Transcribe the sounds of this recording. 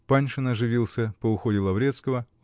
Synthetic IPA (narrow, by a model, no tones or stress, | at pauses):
panʲʂɨnɐʐɨvʲilˠsʲəpəʊxodʲɪlˠɐvɾʲet̪skəvə